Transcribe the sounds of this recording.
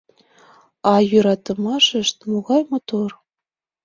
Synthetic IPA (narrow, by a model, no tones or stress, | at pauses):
ɑjuɾɑt̪ɤ̆mɑʃɘ̆ʃt̪muɣɑjmot̪or